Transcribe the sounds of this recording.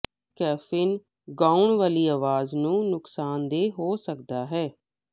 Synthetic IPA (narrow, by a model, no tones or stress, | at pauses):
kɛːfʰɪn | ɡãːʊɳʋaːliːaːʋaːznũːnʊksaːnd̪eːɦoːsəkd̪aːɦɛː